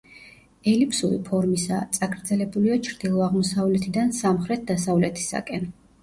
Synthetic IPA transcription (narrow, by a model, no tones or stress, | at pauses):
ɛlipʰsuɾḭpʰɔɾmisa̰t̪sʼaɡɾd̪zɛlɛbuliat͡ʃʰɾd̪̥ilˠɔaʁmɔsavlɛt̪ʰid̪ansamχɾɛt̪̚ʰd̪asavlɛt̪ʰi̥sa̰kʼɛn